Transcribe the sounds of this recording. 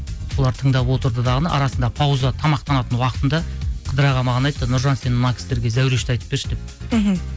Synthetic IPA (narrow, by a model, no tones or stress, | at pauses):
wo̞lˠɑɾt̪ʰəɴd̪ɑpwo̞t̪əɾd̪əd̪ɑʁənəʔɑɾɑsənd̪ɑpʰɑwzɑt̪ʰɑmɑq̚t̪ɑnɑt̪ənwɑqə̥t̪ənd̪ɑqʰəd̪əɾɑʁɑmɑʁənɑjt̪ːənʊɾʒɑnse̞nɪmnɑkʲʰɪ̥st̪e̞ɾɡʲe̞zæwɾe̞ʃt̪ɑjt̪ə̥p̚be̞ɾʃɪd̪e̞p